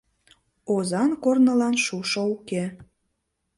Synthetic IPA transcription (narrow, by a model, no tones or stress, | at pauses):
ozɑnkornə̆lɑnʃuʃouke